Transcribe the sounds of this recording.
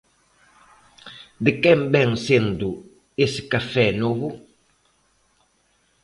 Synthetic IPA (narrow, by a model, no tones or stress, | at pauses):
d̪ɪkɛmbɛŋsend̪ʊ | esɪ̥kafɛnoβʊ